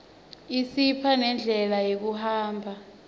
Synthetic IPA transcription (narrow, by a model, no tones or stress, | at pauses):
isipʰanɛnd͡ɮʱɛlajek̬uɦaːmbʱa